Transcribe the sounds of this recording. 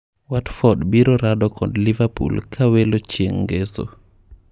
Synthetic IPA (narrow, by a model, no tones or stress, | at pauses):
watfɔdbiɾɔɾadɔkʰɔdlivapṵlkʰawelot͡ʃjeŋɡeso̰